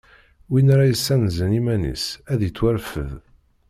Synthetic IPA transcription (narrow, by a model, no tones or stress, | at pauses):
winɾˤajəsːænzənimænḭsæðit͡sːwæɾfə̰ð